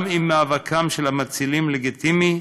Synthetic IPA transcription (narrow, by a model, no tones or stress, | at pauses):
mimːaavakʰamʃelhamat͡silimleɡit̪ʰimi